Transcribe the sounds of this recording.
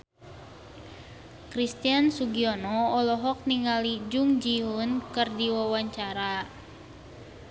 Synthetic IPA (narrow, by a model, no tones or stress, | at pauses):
kɾist̪iansuɡiɔnɔɔlɔɦɔk̚niŋɡalid͡ʒuŋd͡ʒiunkɨrdiwawaɲt͡ʃaɾa